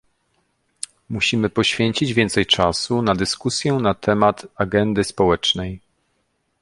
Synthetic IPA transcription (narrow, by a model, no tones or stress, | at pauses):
muɕimɘpɔɕfʲjɛɲt͡ɕid͡ʑvʲjɛnt̪sɛjt͡ʂasunad̪ɘskusʲjɛnat̪ʰɛmat̪aɡɛnd̪ɘspɔwɛt͡ʂnɛj